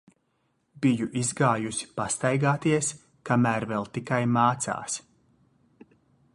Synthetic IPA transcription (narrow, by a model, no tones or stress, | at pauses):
bijuʔizɡaːjusi̥past̪ajɡaːt̪iɛs | kamæːɾvɛlˠt̪ikajmaːt̪sa̰ːs